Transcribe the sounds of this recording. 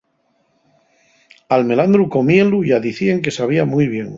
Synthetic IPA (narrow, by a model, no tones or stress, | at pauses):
alme̞land̪ɾuko̞mie̞nluʝaðiθie̞ŋke̞saβ̞iamujβ̞je̞ŋ